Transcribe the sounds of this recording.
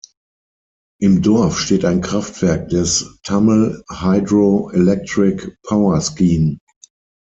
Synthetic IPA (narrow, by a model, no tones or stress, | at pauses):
ʔɪmdɔɐfʃteːtaɪnkʁ̥aftv̥ɛɐk̚d̥ɛstʰaml̩haɪdʁoelɛk̚tʁ̥ɪkpʰaʊɐskiːn